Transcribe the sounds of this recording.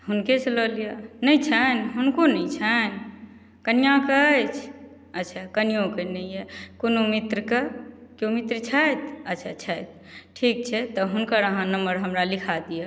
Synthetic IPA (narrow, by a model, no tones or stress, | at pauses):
ɦunkesləlijanəjt͡ʃʰənɦunkonəit͡ʃʰən | kənijãkət͡ʃʰ | ət̪ːt͡ʃʰakənijõkənəjɛkonomit̪ɾəkekjomit̪ɾət͡ʃʰət̪ət̪ːʃʰat͡ʃʰəjt̪̚ | ʈʰik̚t͡ʃʰɛt̪ɔɦunkəɾəɦãnəmbəɾɦəmɾalikʰad̪ija